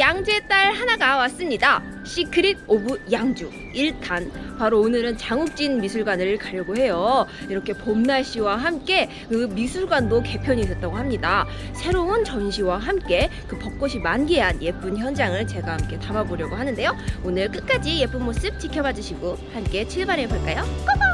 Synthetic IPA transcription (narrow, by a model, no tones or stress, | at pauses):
jaŋd͡ʑe̞t͈aɭhanaɡawas͈ɯmɲida | ɕ͈ʰikʰɯɾiɡ̚obujaŋd͡ʑu | iɭtʰanpaɾoːnɯɾɯnt͡ɕaŋuk̚t͡ɕ͈inmisʰuɭɡwanɯɭkaʎjʌɡoɦe̞jo | iɾʌkʰe̞pomnaɭɕ͈iwaɦamk͈e̞ | kɯmisʰuɭɡwandoke̞pʰjʌɲiːs̬͈ʌt͈aɡoɦamɲidasʰe̞ɾoɯnt͡ɕʌnɕʰiwaɦamk͈e̞kɯpʌk̚k͈oɕʰimanɡeɦanje̞p͈unçjʌnd͡ʑaŋɯɭt͡ɕe̞ɡamkʰe̞tamaboɾjʌɡoɦanɯnde̞joonɯɭk͈ɯk͈ad͡ʑije̞p͈unmos͈ɯp̚t͡ɕikʰjʌbad͡ʑɯɕʰiɡohamk͈e̞t͡ɕʰiɭbaɾebaɭk͈ajok͈a